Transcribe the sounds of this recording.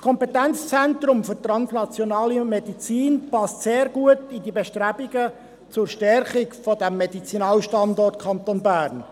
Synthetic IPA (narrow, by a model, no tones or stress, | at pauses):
skʰɔmpetænt͡st͡sænt̪ɾʊmfʏrt̪ɾɑnsnɑt͡sjonɑːlimedit͡siːnpɑstseːɾɡuətidibeʃtɾæbiɡə | t͡sʊɾʃtɛɾχɪkfɔdæmːed̥it͡sinɑːlʃtɑndɔrt̚kʰɑnt̪onbæːrn